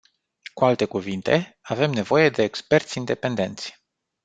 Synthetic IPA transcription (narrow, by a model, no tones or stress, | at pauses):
kualt̪e̞kuvint̪e̞ave̞mne̞vo̞je̞d̪e̞ːkspe̞rt̪sʲind̪e̞pe̞nd̪e̞nt̪sʲ